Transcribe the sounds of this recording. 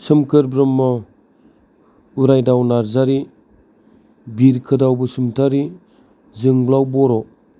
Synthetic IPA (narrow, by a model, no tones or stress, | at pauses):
sɯmkʰɯɾbɾɯmːɔ | uɾajdawnaɾzaɾi | biɾkʰɯdawbɯsumtʰaɾi | zɯŋblawbɔɾɔ